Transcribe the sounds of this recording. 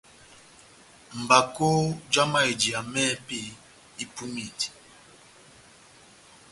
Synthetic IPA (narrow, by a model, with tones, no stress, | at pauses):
m̩˨ba˨ko˦d͡ʒa˦ma˦˨e˨di˨a˨mɛ˦pi˦˨ | i˦pu˦mi˨ti˨